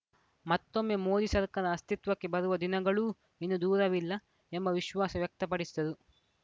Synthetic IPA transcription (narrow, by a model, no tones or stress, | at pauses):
mɐt̪ːomːe̞ːmo̞ːd̪isɐɾkɐnɐːst̪it̪ʋɐkːe̞bɐɾuʋɐd̪inɐɡɐɭuː | inːud̪uːɾɐʋilːɐ | embɐʋiʃʋaːsɐʋjɐk̚t̪ɐp̬ɐɽisid̪ɐd̪u